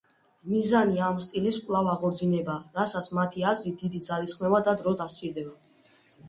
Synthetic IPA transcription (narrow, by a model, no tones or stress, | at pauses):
mizaniamst̪ʼiliskʼlˠavaʁɔɾd̪zinɛbaɾasat̪sʰmat̪ʰiazlid̪id̪id̪zalisχmɛvad̪ad̪ɾɔd̪asʼiɾd̪ɛba